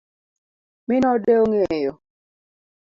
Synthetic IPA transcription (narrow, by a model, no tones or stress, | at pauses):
mɪnɔdeoŋeejo